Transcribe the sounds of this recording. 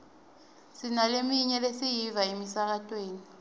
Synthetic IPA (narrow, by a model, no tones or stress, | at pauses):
sinalemiɲɛlesijivaemisak̬atʼweːni